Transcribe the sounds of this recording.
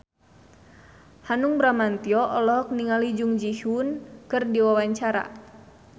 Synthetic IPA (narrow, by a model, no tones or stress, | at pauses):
hanuŋbɾamant̪iɔʔɔlɔɦɔk̚niŋalid͡ʒuŋd͡ʒihunkɨrdiwawaɲt͡ʃaɾa̰